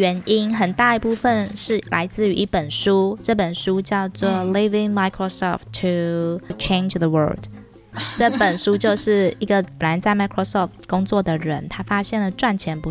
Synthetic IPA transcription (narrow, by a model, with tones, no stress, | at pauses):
ɥɛ˧˥ni˥nxə˨˩nt̪a˥˩i˧˥pu˥˧fə˨nʂɻ̩˥˩lʔa̰˧˥ɪt͡sɹ̩˥˩y˧˥ʔi˥˩pə˨˩nʂu˥ʈ͡ʂɤ˥˩pə˨˩nʂu˥t͡ɕjɑ˥˧ʊt͡swɔ˥˨˩li˥vɪ˧ŋma˧ɪkʰɹo˧sɔ̰˨˩ftʰːu˨t͡ʃʰẽ˥˧nd͡ʒðə˨wɜ̰˞˥˩ld | ʈ͡ʂɤ˥˩pə˨˩nʂu˥t͡ɕjo˥˧ʊʂɻ̩˥˩i˧˥ɡə˨˩pə˨˩nla˧˥ɪt͡sa˥˩ɪma˧˥kʰɹo˥˧sɔ˥˩ftkʊ˥ŋt͡swɔ˥˩d̪ə˩ɻə˧˦nt̪ʰa˥fa˥ɕjɛ˥˩nlə˩ʈ͡ʂwa˥˩nt͡ɕʰjɛ˧˥npu˧˥